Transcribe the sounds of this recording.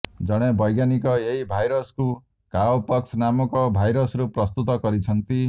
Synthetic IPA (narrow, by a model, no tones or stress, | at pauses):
d͡ʒɔɽ̃ebɔjɡjanikɔeɦibʱajɾɔsku | kawpɔksʰnamɔkɔbʱajɾɔsɾupɾɔst̪ut̪ɔkɔɾit͡ʃʰʌnt̪i